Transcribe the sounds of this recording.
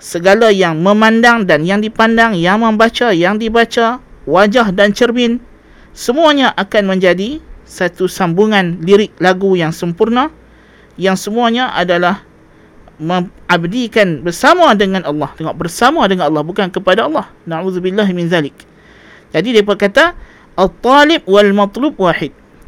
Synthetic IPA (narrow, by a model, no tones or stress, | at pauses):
səɡalajaŋmə̃mãndaŋdanjaŋdipandaŋjaŋmə̃mbat͡ʃajaŋdibat͡ʃawad͡ʒahdant͡ʃərmɪn | səmũaɲãʔakanmə̃ɲd͡ʒadisat̪usambuŋãnliɾɪk̚laɡujaŋsəmpurnã | jaŋsəmũaɲãʔa̰dalah | mə̃abdikanbərsamãdəŋãnɑlːɑht̪əŋaʔbərsamadəŋanɑlːɑhbukankəpadaɑlˠːɑhnaʕuðubilːaɦmɪ̃nðalɪk̚ | d͡ʒadidiapəkat̪a | ʔat̪ˤːɑlɪb̚walmɑt̪ˤlub̚waħɪd̪̚